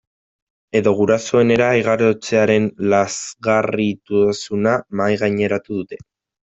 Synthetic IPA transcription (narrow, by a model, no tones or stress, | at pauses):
e̞ðo̞ɣ̞uɾaso̞e̞ne̞ɾaːjɣaɾot͡se̞aɾe̞nlazɣarit̪usunamajɣajɲe̞ɾat̪uðut̪e̞̥